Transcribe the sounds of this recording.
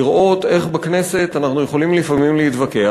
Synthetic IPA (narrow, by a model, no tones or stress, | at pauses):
iʁʔo̞t̪e̞χbakne̞se̞t̪anaχnuje̞χo̞limlifamimlehit̪vake̞a